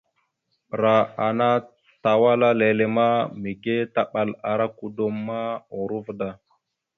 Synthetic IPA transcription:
ɾa˨a˨na˦ | ta˨wa˦la˦le˨le˨ma˦mi˨ɡe˦ta˦ɓa˨la˨ɾa˦ku˨do˦mːa˦o˨ɾu˦vda˨

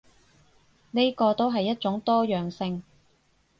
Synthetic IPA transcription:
ne˥jkɔː˧t̪o˥wɦɐ˨jːɐ˥t̚t͡ʃʊ˨˥ŋt̪ɔː˥jœː˨˩ŋsɪ˧ŋ

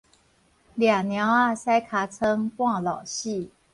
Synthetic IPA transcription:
ljɑ˨˩ŋnjɑ˧˥ŋa˥˩sa˥ɪkʰa˧˥t͡sʰɤ˥ŋkwɑ˥˩ŋlɑ˨˩ʊɕi˥˩

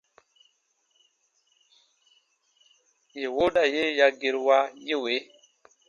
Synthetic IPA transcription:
je˨wo˦ɗa˨je˦ja˦ɡe˨ɾwa˦je˦˨we˨˦

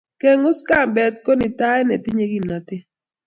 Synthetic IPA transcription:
ke˦ŋʊ˦ska˦˨mbɛ˨t̪ko˦nɪ˨ta˦ɛ˦nɛ˨tɪ˦ɲe˦ɡi˦˨mna˨tɪ˦

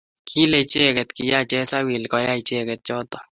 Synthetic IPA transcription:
kʰi˦le˨t͡ʃe˦kɛ˨t̪ki˨ja˦t͡ʃɛ˦sa˦wi˨lkɔja˦it͡ʃe˦kɛt̪̚t͡ʃɔ˦t̪ɔ˨

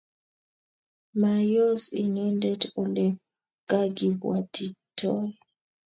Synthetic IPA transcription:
ma˨jɔ˦si˨ŋɛ˦ndɛ˦tɔ˨lɛ˨ | ɡ̥a˦ɡi˨bwa˨ti˨tʰɔ˦j

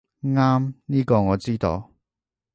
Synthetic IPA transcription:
ŋaː˥mniː˥kɔː˧ŋɔː˨˧t͡siː˥t̪o˧w

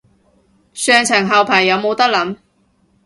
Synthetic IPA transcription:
sœː˨˧ŋt͡sʰɐ˨˩ŋɦɐ˨wpʰɐ˨˩ŋjɐ˨˧˥wmo˨˧wt̪ɐ˥k̚lɐ˨˥m

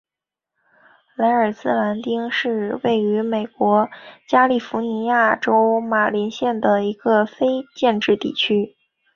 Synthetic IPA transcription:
la˧˥ɪə˞˨˩sɹ̩˥la˧˥nt̪i˥ŋʂɻ̩˥˧we˥˩ɪy˧˥me˨˩ɪkwɔ˧˥t͡ɕja˥li˥˩fu˧˥ni˧˥ja˥˩ʈ͡ʂo˥ʊma˨˩li˧˥nɕjɛ˥˩nd̪ə˩i˧˥ɡ̥ə˧fe˥ɪt͡ɕjɛ˥˧nʈ͡ʂɻ̩˥˧t̪ḭ˥˩t͡ɕʰy˥

